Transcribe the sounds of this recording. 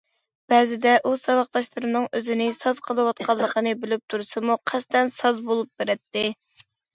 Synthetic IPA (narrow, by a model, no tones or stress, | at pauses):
b̥ɛzɪd̪ɛʔusɑwɑqd̪ɑʃlˠɨɾɨnɨŋøzɪnɪsɑz̥qʰəlˠɨwɑt̪̚qʰɑlˠːəqʰənɨbɪlɪp̚t̪ʰuɾsɨmuqʰɛst̪ɛnsɑzbolˠup̚beɾɛt̪ːɪ